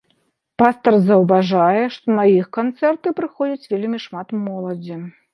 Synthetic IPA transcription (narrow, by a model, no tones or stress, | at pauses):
past̪ɐrzɐwvaʐajɛʂt̪ɔnajixkant̪sɛrt̪ɨpɾɨxɔd͡zʲɐt͡sʲvʲelʲmʲiʂmat̪mɔlˠɐd͡zʲi